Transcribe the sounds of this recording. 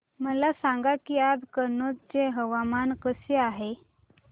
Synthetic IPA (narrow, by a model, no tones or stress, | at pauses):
məlasãŋɡakiːad̪kənːot̪̚t͡seɦəʋamankəseaɦe